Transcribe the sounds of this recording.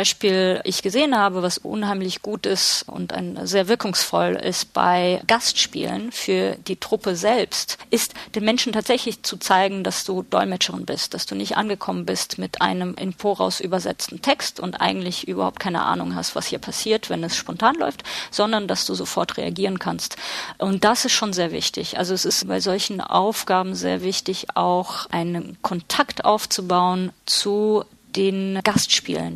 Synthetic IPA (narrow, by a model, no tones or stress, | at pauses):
aɪʃpiːlʔɪçɡ̥əzeːənhaːbəvasʔʊ̰nhaɪmlɪçɡ̥uːtɪstʔʊ̰nta̰ɪnzeːɐvɪɐkʰʊŋsfɔ̰lɪ̰st̚b̥a̰ɪɡ̥astʃpḭːlə̰nfyːɐd̥iːtʁ̥ʊpəzɛlpstʔɪstd̥eːnmɛnʃn̩tʰaːtz̥ɛçlɪçt͡sut͡saɪɡŋ̩dasd̥uːd̥ɔ̰ʏlmɛt͡ʃəʁɪnbɪst̚d̥asd̥uːnɪçtʔa̰nɡəkʰɔmənbɪstmɪtʔa̰ɪnəmʔɪ̰mfoːɐʁa̰ʊsʔyːbɐzɛ̰t͡stn̩tʰɛkstʊ̰ntʔa̰ɪɡŋ̩tlɪçʔyːbɐ̰haʊpt̚kʰaɪnə̰ʔa̰ːnʊŋɦa̰stv̥a̰shiːɐpʰasiːɐtv̥ɛnɛsʃpɔntʰaːnlɔ̰ʏftz̥ɔndɐndasd̥uːzofɔɐtʁ̥ḛa̰ɡiːʁ̞ənkʰanstʔʊnt̚d̥asɪstʃoːnzeːɐvɪ̰çtɪ̰çʔa̰lzoɛsɪstbaɪzɔlçn̩ʔa̰ʊfɡ̥aːbm̩zḛːɐvɪçtɪça̰ʊxʔaɪnənkʰɔntʰaktʔaʊft͡subaʊənt͡su | d̥eːnɡ̥astʃpḭːlə̰n